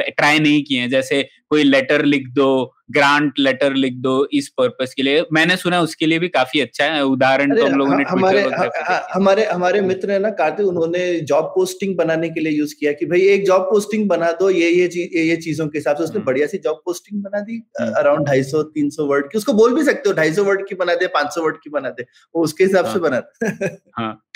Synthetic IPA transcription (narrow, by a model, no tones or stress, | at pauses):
ʈɾaːjnɐɦĩkiɛ̃d͡ʒɛːsekoːilɛʈəɾlɪkʰd̪o | ɡɾãːɳʈlɛʈəɾlɪk̚ʰd̪oːɪspəɾpəskeliemɛ̃ːnesʊnaʊskeliebʱikaːfiɐtːʃʰaɦɛɛʊd̪aːɾəɳtɾeoloːɡneɦɐimaːɾeɦɐɐɦãːɦɐmaːɾeɦɐmaːɾemɪt̪ɾɦɛ̃nakaːɾt̪eʊnɦõːned͡ʒɔːb̚poːsʈɪ̃ŋɡ̚bɐnaːnek̬eliejuːzkijakibʱɐieːk̚d͡ʒaːb̚poːsʈɪ̃ŋɡ̚bɐnaːd̪ojejeiːjejet͡ʃiːzõkeɦɪsaːbseʊsnebɐɽijasid͡ʒɔːb̚poːsʈɪ̃ŋɡbɐnad̪iːɐɾãʊ̃ɳɖ̚ɖʱaːisɔt̪iːnsɔʋɐɾɖ̚kiʊskoboːlbʱis̬ɐk̚t̪eɦoɖʱaːis̬ɔʋɐɾɖkibɐnaːd̪ẽːpãːt͡ʃsɔʋɐɾɖ̚kibɐnaːd̪ẽː | oʊskeɦɪsaːbsebɐnaːd̪oɦãː